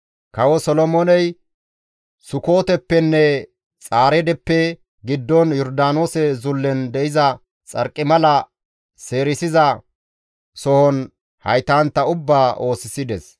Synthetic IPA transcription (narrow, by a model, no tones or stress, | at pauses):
kɐwɔsɔlɔmonɛj | sʊkoːt̪ɛpːɛnːɛ | t͡sʼaːɾɛd̪ɛpːɛ | ɡɪd̪ːɔnjɔɾd̪aːnoːsɛzʊlːɛnd̪ɛʔɪzɐ | t͡sʼɐɾkʼːɪmɐlɐ | se̞ːɾɪsɪzɐ | sɔhɔn | hɐ̰jt̪aːnt̪ːɐʊbːaːʔo̞ːsɪsɪd̪ɛs